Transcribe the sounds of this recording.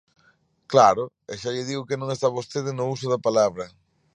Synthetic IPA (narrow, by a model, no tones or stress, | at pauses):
klaɾʊ | eʃaʎɪðiɣʊkɪnõŋest̪aβost̪eð̞ɪnʊusʊðɐpalaβɾɐ